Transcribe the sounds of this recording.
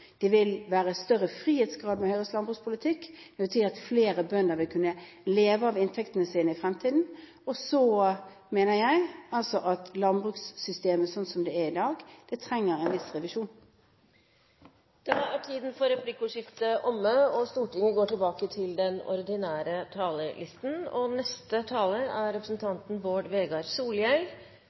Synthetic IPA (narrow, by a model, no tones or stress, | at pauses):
d̪̥ɛʋɪlʋæːʁəst̪œɾəfʁiːheːt̪sɡʁɑːd̪mɛhœʏʁəslɑnbʁʉːkspʰʊlɪt̪ʰɪkːd̪ɛʋɪlt̪ʰyːɑt̪fleːɾəbœnd̪əɾʋɪlkʰʉnːə | leːʋəɑʋɪnt̪ʰɛkt̪ənəsiːnəɪfʁɛmt̪ʰiːd̪n̩ | ɔsɔ | meːnəjæɪɑlsɔʔɑt̪lɑnbʁʉːksːʏst̪eːməsɔnt̪sɔmd̪ɛæɪd̪ɑːɡd̪̥ɛt̪ʰɾɛŋːəɾɛnʋɪsʁɛʋɪʂuːn | d̪̥ɑæʈʰiːd̪n̩fɔɾɛplɪkːʊʂɪft̪əʔɔmːəɔst̪uːʈɪŋəɡoːʈɪlbɑːkət̪ʰɪld̪ɛnɔ̰ɾɪd̪ɪnæːɾət̪ʰɑːləlʔɪst̪n̩ɔnɛst̪ət̪ʰɑːləæɾɾɛpɾəsn̩t̪ʰɑnt̪n̩ʋoːɖʋeːɡɑɾsuːljɛl